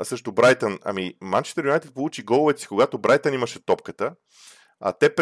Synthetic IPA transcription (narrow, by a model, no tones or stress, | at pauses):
sɤʃt̪obɾajt̪ənɐ̰mimant͡ʃi̥t̪əɾʲajt̪t̪̚polˠut͡ʃiɡɔlˠovɛt̪si̥koɡat̪obɾajt̪əniməʃɛt̪ɔp̚kət̪ə | ɐ̰t̪ɛp